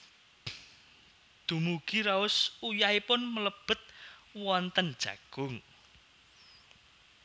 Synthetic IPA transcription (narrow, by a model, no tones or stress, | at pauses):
d̪̥ṳmuɡ̥iɾaʊsujaipʊnmələb̥ə̤t̪̚wɔnt̪ənd̥ʒ̥ä̤̰ɡ̥ʊŋ